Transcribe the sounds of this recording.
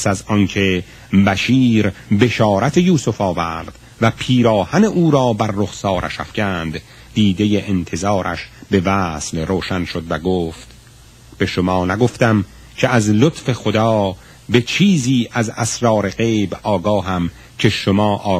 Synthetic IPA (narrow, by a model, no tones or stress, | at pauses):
psæzɒnkʰe̞ | bæʃiːɾbe̞ʃɒːɾæt̪ʰejuːsofɒːvæɾd̪̥ | væpʰiːɾɒːhæne̞ʔuːɾɒːbæɾːoχsɒːɾʔæ̰ʃæ̰fcænd̪ | d̪iːd̪e̞jeʔent̪ʰe̞zɑːɾʔæ̰ʃbe̞væːslroːʃænʃo̞d̪væɡoːft̪ | b̥e̞ʃomɒːnæɡo̞ft̪æm | cʲʰeæzlot̪fe̞xod̪ɒː | be̞t͡ʃʰiːziːʔæzæsɾɒːɾe̞ɣeːbɒːɡɒːɦæm | cʰe̞ʃomɒːʔɒː